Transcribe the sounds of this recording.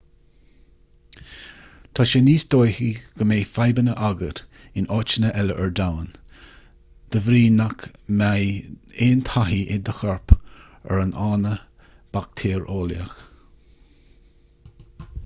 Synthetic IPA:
t̪ʰɑʃeniːsd̪oːjhiɡ̥əmeːfajbənəʔaɡəɾ | ɪnɔːt͡ʃənəʔɛləʔɛɹd̪awən | d̪̥əvɾiːnakmajeːnt̪ʰaɦiʔɪd̪əxɔɹp | ɛ̰ɹənʔɑːnə | b̥ak̚t̪ʰeːɹoːljəx

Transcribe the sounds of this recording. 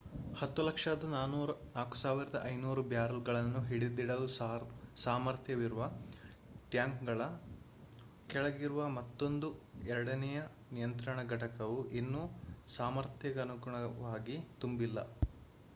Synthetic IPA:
hɐt̪ːulɐkʂɐd̪ɐnaːnuːɾɐnaːku̥saːʋiɾɐd̪ɐʔɐjnuːɾubjaːɾɐlɡɐɭɐnːuɦiɽid̪ːiɽɐlusaːmɐɾt̪jɐʋiɾuʋɐ | ʈjaːŋkɡɐɭɐ | kɛɭɐɡiɾuʋɐmɐt̪ːo̞nd̪uɛɾɐɽɐnɛjɐ | nijɐnt̪ɾɐɳɐɡɐʈɐkɐʋuʔinːusaːmɐɾt̪jɐɡɐnuɡuɳɐʋaːɡit̪umbilːɐ̰

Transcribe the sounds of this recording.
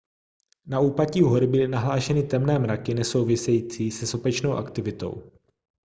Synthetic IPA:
nauːpaciːɦo̞ɾɪbɪlɪnaɦlaːʃɛnɪt̪ɛmnɛːmɾakɪnɛso̞wvɪsɛjiːt͡siːsɛso̞pɛt͡ʃno̞wʔa̰kt̪ɪvɪt̪o̞̰w

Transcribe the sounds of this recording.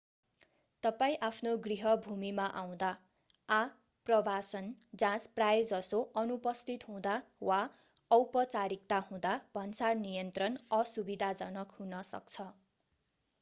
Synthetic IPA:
t̪ʌpaĩʔapʰnoɡriɦʌbʱumimaʔaw̃d̪aː | prʌbʱasʌnd͡zãsprajd͡zʌsoʌnupʌst̪ʰit̪ɦũd̪awa | ʌwpʌt͡saɾik̚t̪ahũd̪ab̥ʱʌnsarnijʌnt̪rʌnʌsubid̪ʱad͡zʌnʌkɦunʌsʌ̰k̚t͡sʰʌ

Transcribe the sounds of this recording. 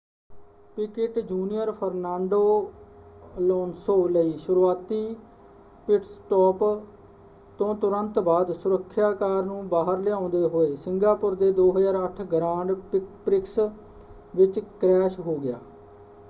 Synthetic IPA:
pɪkɪʈd͡ʒuːnijəɾpʰəɾnaːɳɖoː | lɔːnsoːləiːʃʊɾuaːt̪iː | pɪʈsʈɔːp | t̪õːt̪ʊɾənt̪baːd̪sʊɾəkʰːjaːkaːɾnũːbaːɦəɾlɪãːʊ̃nd̪eːɦoːeːsɪŋɡaːpʊɾd̪eːd̪oːɦəzaːɾəʈʰɡɾãːɳɖpɾɪks | ʋɪt͡ʃkɾɛːʃɦoːɡɪja̰ː

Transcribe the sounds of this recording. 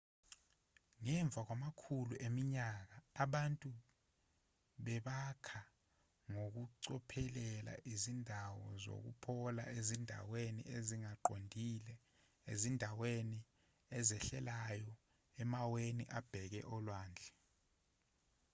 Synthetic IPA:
ŋɛɱb̪vʱak̬wamakʰuluʔemiɲak̬aːɓantʼu | ɓɛɓakʰa | ŋok̬uǀɔpʰɛlɛla̰ʔizindʱawɔzo̰k̬ṵpʰɔla̰ezindʱa̰wenḭeziŋaǃondʱilɛ | ḛzindʱaweni | ɛzɛɬɛlajɔ | ɛmaweniʔab̥ʱɛk̬ɛ̰ʔɔlwaːnd͡ɮʱɛ

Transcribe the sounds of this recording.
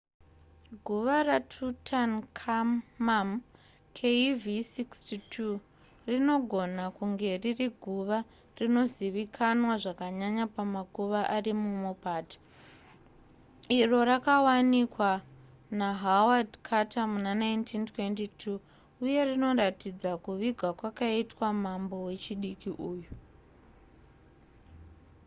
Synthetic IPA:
ɡʱuʋaratʰutʰankʰamam | kʰevisikstitʰu | rino̞ɡʱo̞nakuŋɡe̞ririɡʱuʋa | rino̞ziʋikʰanwaʐakaɲaɲapamakuʋaʔarimumopaːtḁ | iro̞rakawanikwa | naɦawadkʰatʰamunanajntʰintwe̞ntitʰu | uje̞rino̞ratid͡zakuʋiɡʱakwakaitwamambo̞we̞t͡ʃiɗikiʔuːjo

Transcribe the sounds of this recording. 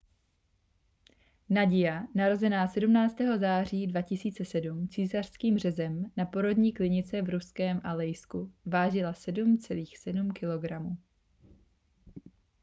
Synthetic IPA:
naɟɪjanaɾo̞zɛnaːsɛdumnaːt͡st̪ɛːɦo̞zaːriːdvacɪsiːt͡sɛsɛdumt͡siːsar̥skiːmr̝ɛzɛmnapo̞ɾo̞dɲiːklɪɲɪt͡sɛvɾuskɛːmʔalɛjskuvaːʒɪlasɛdumt͡sɛliːxsɛdumkɪlo̞ɡɾamuː

